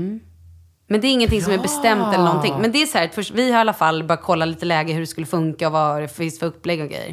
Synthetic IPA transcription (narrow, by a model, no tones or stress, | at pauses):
mɛnd̪ɛːɾɪŋːənt̪ʰɪŋsɔmæɾbɛst̪ɛmt̪ɛlːəɳɔnt̪ɪŋmɛnd̪ɛæsɔhæːt̪fœʂvɪhaɾalːafalːbœːjat̪̚kʰɔlːaliːt̪əlɛːɡəɦɵɖɛskɵlːəfɵŋkaɔvaɾɛfvɪnst̪fœɾɵpːlɛɡːɔɡɾḛjːə̰ɾ